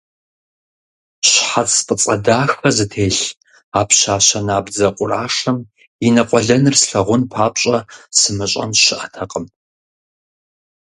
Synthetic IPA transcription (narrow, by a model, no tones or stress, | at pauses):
ɕħat͡spʼət͡sʼɐdaːxɐzɨtʰeːɬ | aːpʰɕaːɕɐnaːbd͡zɐqʷʼʊraːʂɨm | inɐqʷʼɔɮɐnɨrsɬɐʁʷʊnpʰaːpɕʼɐsɨmɨɕʼɐ̰nɕɪʔɐtʰɐqʼəm